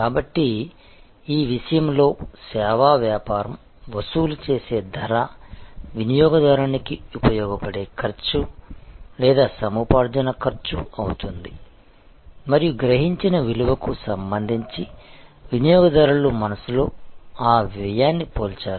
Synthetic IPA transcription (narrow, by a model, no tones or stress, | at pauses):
kaːbɐʈːi | iːʋiʂɐjɐmlo̞ːsɛːʋaːʋjaːpaːɾɐm | ʋɐsuːlut͡ʃe̞ːse̞ːd̪ʱɐɾaːʋinijɔːɡɐd̪ɐɾanikiupɐjɔːɡɐpɐɽe̞ːkʰɐɾt͡ʃu | lɛːd̪aːsɐmuːpaːɾd͡ʒɐnɐkʰɐɾt͡ʃuɐ̰wut̪und̪i | mɐɾijuɡɾɐɦiɲt͡ʃinɐʋiluʋɐkusɐmbɐnd̪ʱiɲt͡ʃiʋinijɔːɡɐd̪ɐɾulumɐnɐsulo̞ːaːʋiɐjaːnːipoːlt͡ʃaːɾu